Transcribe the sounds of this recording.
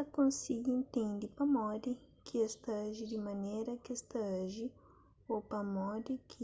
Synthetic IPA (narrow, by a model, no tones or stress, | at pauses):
ɐkõsiɡɪẽnt̪ẽnd̪ɪpɐmɔd̪ɪ | kʰɪest̪ɐʒɪd̪ɪmɐ̃nejɾɐkest̪ɐʒɪ | opɐmɔd̪ɪkʰɪ